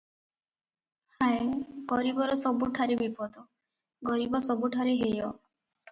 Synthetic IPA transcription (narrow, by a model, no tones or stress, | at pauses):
haeɡɔɾibɔɾɔsɔbuʈʰaɾebipɔd̪ɔ | ɡɔɾibɔsɔbuʈʰaɾeɦejɔ